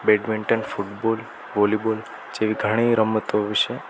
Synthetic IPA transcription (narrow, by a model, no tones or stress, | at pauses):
beɖʋiɳʈənfuʈbol | ʋolibol | d͡ʒeʋiɡʱəɽ̃iɾəmːət̪oʋiʃe